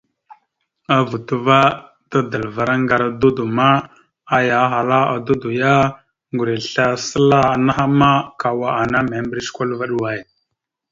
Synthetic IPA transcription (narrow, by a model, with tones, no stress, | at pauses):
a˦vu˨tu˦va˦ | ta˦də˨lva˨ɾa˦ŋɡa˨ɾa˨du˦du˨ma˦ | a˦ja˨˦ɦa˨la˦a̰˨du˦du˨ja˦ | ŋɡu˨ɾi˨ɬa˦sə˦la˦a˨na˦ɦa˦ma˦ka˨wa˨a˨na˦me˨mbɾi˦sku˦lva˦ɗu˦wa˨j